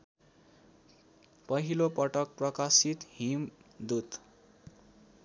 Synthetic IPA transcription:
pʌɦilopʌʈʌk̚prʌkasit̪ɦimd̪ud̪

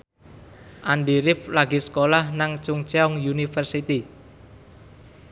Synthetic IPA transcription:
ʔanɖiɾɪflaɡisə̥kolahnaŋt͡ʃʊŋt͡ʃeɔŋjunifərsit̪i

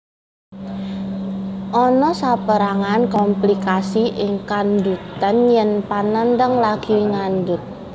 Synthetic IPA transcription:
ʔɔnɔsapəɾaŋankɔmplikasiʔɪŋkand̪ut̪ənjɛnpanənd̪əŋlaɡ̥iŋandʊt̪̚

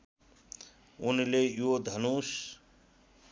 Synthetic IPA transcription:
unilejod̪ʱʌnus

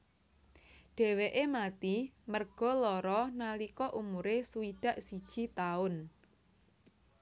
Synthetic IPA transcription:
ɖ̥ɛ̤weʔemat̪imərɡ̥ɔ̤lɔɾɔnalikɔʔumuɾesuiɖ̥a̤ʔsid̥ʒ̥i̤t̪aʊn

